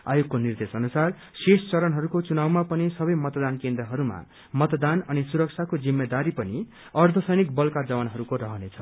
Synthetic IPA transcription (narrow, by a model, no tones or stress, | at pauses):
a̰joɡkonird̪esʌnusar | sest͡sʌɾʌnɦʌɾukot͡sunawmapʌnisʌbʌjmʌt̪d̪ankend̪rʌɦʌɾuma̰ | mʌt̪d̪anʌnisuɾʌk̚t͡sʰakod͡zimːed̪aɾipʌni | ʌrd̪ʱʌsʌjnik̚bʌlkad͡zʌwanɦʌɾukorʌɦʌnet͡sʰʌ